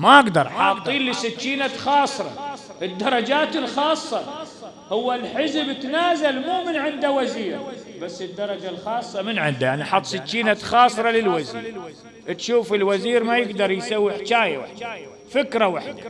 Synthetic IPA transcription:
maʔɪɡd̪ɑɾˤħɑːt̪ˤːiːnlːɪsɪt̪ːiːnaxɑːsˤɾˤɑ | ʔɪd̪ːɑɾˤɑd͡ʒaːt̪ɪlxɑːsˤːɑ | hʊwːalħɪzbɪt̪naːzalmuːmɪnʕɪnd̪awaziːɾbasːɪd̪ːɑɾˤɑd͡ʒalxɑːsˤːɑmɪnʕɪnd̪ajaʕniʔħɑt̪ˤːsɪt̪ːiːnaxɑːsˤɾˤɑlɪlwazḭːɾ | t̪ʃuːfɪlwaziːɾmajɪɡd̪ɑɾˤjsawːiħt͡ʃaːjawa̰ħd̪a | fɪkɾawaħd̪a

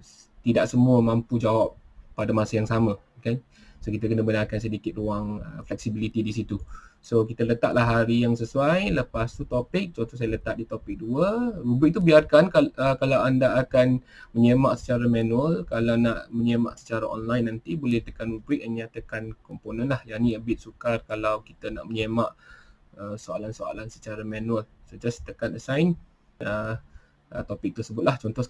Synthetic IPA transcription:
t̪idaʔsəmuəmãmpud͡ʒawap̚ːadamasajaŋsama | kan | sokit̪əkənəbənarkans̬ədikɪt̪̚ruaŋəflɛk̚sibilit̪idisit̪usokit̪ələt̪a̰ʔ̪laɦaɾijaŋsəsuajləpast̪ut̪opɪk̚t͡ʃõnt̪os̬ajələt̪aʔ̪̚dit̪opɪk̚duəɾubiʔ̚t̪ubiarkankaəkalawandaːkan | məɲemaʔsə̥t͡ʃaɾamanuəlkalawnaʔməɲema̰ʔsə̥t͡ʃaɾaʔɔ̰nlajnːant̪ibolɛht̪əkanubɾɪʔ̚məɲat̪əkankɔmponə̃nlahjaniəbɪt̪̚sukarkalawkit̪əna̰ʔməɲemaʔ | əsoa̰lansoa̰lansə̥t͡ʃaɾamãnuəlsəd͡ʒast̪əkanəsajn | ə | ət̪opɪk̚t̪ərsəbʊt̪̚laht͡ʃɔnt̪ɔ

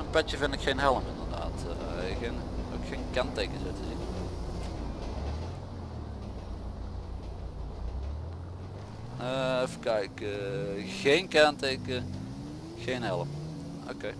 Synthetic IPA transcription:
ənpɛtjəvɪndɪkxenɦɛləmɪndərda̰ːtxeno̰kxeːnkantejkəzowtəzin | əfkaɪkəɣeːnkaːnteːkə | ɣeːnɦɛləm | o̰keː

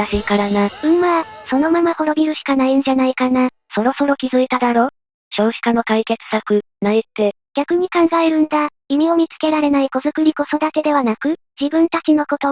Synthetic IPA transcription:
aɕikaɾanaɯ̟maːso̞no̞mamaho̞ɾo̞bʲiɾɯ̟ɕi̥kanaĩɲ̟d͡ʑanaikana | so̞ɾo̞so̞ɾo̞kʲizɨit̪ad̪aɾo̞ː | ɕo̞ːʑi̥kano̞kaike̞t͡sɨ̥sakɯ̟ | naet̪ːe̞ | ɡʲakɯ̟ɲ̟ikãŋɡae̞ɾɯ̟̃nd̪akʲimʲio̞mʲit͡sɨ̥ke̞ɾaɾe̞naiko̞zɨkɯ̟ɾʲiko̞so̞d̪ake̞d̪e̞β̞anakɯ̟ | d͡ʑibɯ̟̃nt̪at͡ɕino̞ko̞t̪o̞

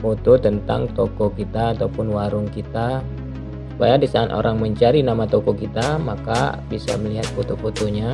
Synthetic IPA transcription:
pɔt̪ut̪ənt̪a̰ŋt̪ɔkɔkit̪aːt̪aupʊnwaɾʊŋkit̪a | su̥pajadisaːnʔo̰ɾaŋməɲt͡ʃaɾinamat̪ɔkɔkit̪amaka̰bisa̰məliɦat̪̚pɔt̪uput̪uɲa

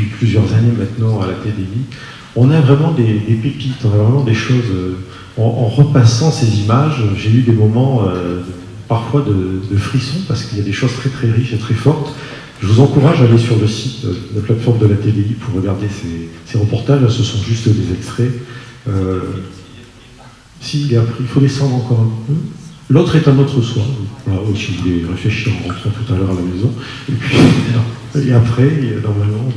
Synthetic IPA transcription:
iplyzjœʁzanemɛ̃t̪nɑ̃alat̪ed̪ei | ɔ̃navʁɛmɑ̃d̪ed̪epəpit̪ɔ̃navʁɛmɑ̃d̪eʃozø | ɑ̃ʔɑ̰̃ʁəpasɑ̃sezimaʒʒeyd̪emɔmɑ̃ø | paʁfwad̪əd̪əfχisɔ̃paʁsə̥kiljad̪eʃoz̥t̪χɛt̪χɛʁiʃet̪χɛfɔʁt̪ | ʒəvuzɑ̃kuʁaʒalesyʁləsit̪ø̰nəplat̪fɔʁmd̪əlat̪ed̪eipʰuʁːəɡaʁd̪eseseʁəpɔʁt̪aʒasəsɔ̃ʒyst̪d̪ezɛkst̪χɛø | siːlɛapχiilfod̪esɑ̃d̪ʁɑ̃kɔʁɛ̃pølot̪χɛt̪ɛ̃not̪χəswaɔ̃valasiɔvulɛʁefleʃiʁɑ̃ʁɑ̃t̪χɑ̃t̪ut̪alœʁalamezɔ̃epɥi | eapχɛnɔʁmalmɑ̃

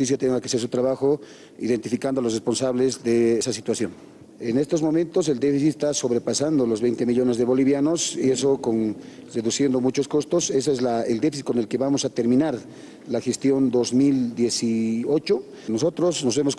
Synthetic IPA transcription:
t̪is̬jat̪jeŋakeases̬ut̪ɾaβaxo̞ | ḭðe̞nt̪ifikand̪oalosrespo̞nsaβle̞zðe̞sas̬it̪wasjo̞n | ene̞st̪ozmo̞mẽnt̪o̞s̬e̞ld̪efisit̪est̪aso̞βɾepasand̪olo̞zβejnt̪e̞miʎo̞ne̞zðeβo̞liβjano̞sieso̞kon | re̞ðusje̞nd̪o̞mut͡ʃo̞sko̞st̪o̞se̞soezlaeld̪e̞fis̬it̪̚ko̞ne̞lke̞βamo̞sat̪e̞ɾmĩnaɾ | laxe̞st̪jo̞nd̪o̞zmild̪je̞sio̞t͡ʃo̞ | nos̬o̞t̪ɾo̞sno̞zβemos

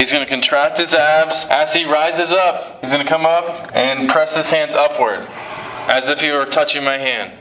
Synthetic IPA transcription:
hizɡʌnɨkɨ̃n̩tʰɹ̥æk̚t̚hɨzæbz̥ʔɨz̥iɹaɪzɨzʌp̚hizɡʌnɨkʰʌ̃mʌp̚ | ɨ̃npʰɹ̥ɛshɨz̥hæ̃ndzʌpʰwə˞d | ʔɨzɨfhiwə˞tʰʌt͡ʃɪ̃ŋmaɪɦæ̃nd̥

